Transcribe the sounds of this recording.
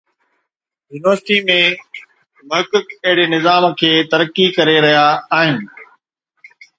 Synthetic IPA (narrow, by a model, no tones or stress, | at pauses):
juːnɪʋəɾsɪʈimẽ | mɐɦɪkəkɐɦɪɽenɪzaːmkʰeːt̪ɐɾəkːikɐɾeɾɐɦjaːɦɪnɪ̆